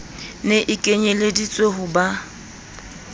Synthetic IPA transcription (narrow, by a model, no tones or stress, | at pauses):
neʔɪkʼeɲeledit͡sʼeɦʊba